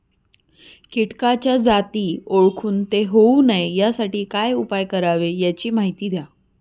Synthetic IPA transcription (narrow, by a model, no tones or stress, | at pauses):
kiʈkat͡ɕjad͡zat̪iːoɭkʰuːnt̪eɦounajejasaʈiːkajupajkəɾaʋejat͡ɕiːmaɦit̪iːd̪ja